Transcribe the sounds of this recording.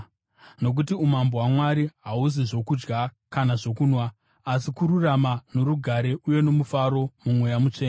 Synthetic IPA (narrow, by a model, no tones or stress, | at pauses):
no̞k̬utiumambowamwaɾiɦauziʐo̞kud͡ʒɡa | kanaʐo̞kunwaː | sikuɾuramano̞ɾuɡʱaɾe̞ʔuje̞no̞mufaɾo̞mumwejamut͡ʂeːa